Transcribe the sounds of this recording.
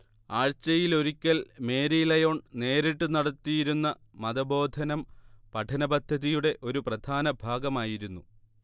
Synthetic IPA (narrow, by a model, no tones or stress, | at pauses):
aːɻt͡ɕɐjilo̞ɾikʲːɐlme̞ːɾijlɐjo̞ːɳne̞ːɾiʈːunɐɽɐt̪ːijiɾunːɐ | mɐðɐbo̞ːd̪ʱɐnɐmpɐʈʰɐnɐbɐd̪ʱːɐðijuɽe̞ʔo̞ɾuprɐd̪ʱaːnɐbʱaːɡɐmaːjiɾunːu